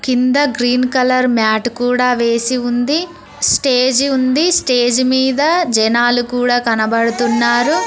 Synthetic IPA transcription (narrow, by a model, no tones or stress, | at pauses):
kind̪ɐɡɾiːnkɐlɐɾmjaːʈkuːɽaːʋe̞ːsiund̪i | sʈeːd͡ʒund̪isʈe̞ːd͡ʒumiːd̪ɐd͡ʒɛnaːlukuːɽaːkɐnɐbɐɽut̪unːaːɾu